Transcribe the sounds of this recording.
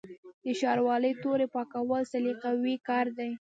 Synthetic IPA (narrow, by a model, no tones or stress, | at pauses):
d̪əʃɑɾwɑləjt̪oɾepɑkawəlsaliqawikɑɾd̪aj